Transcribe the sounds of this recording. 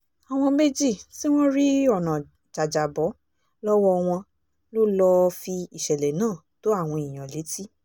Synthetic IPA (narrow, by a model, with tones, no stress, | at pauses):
a˨w̃ɔ̃˧me˦d͡ʒi˦˨ti˦w̃ɔ̃˦ɾi˦ɔ˦˨nã˨ | d͡ʒa˨d͡ʒa˨bɔ˨˦ | lɔ˦wɔ˧w̃ɔ̃˧ | lo˦lɔ˧fi˧i˨ʃɛ˨lɛ˨nãː˦˨ | to˨˦a˦˨w̃ɔ̃˧i˨j̃ã˨le˨˦ti˦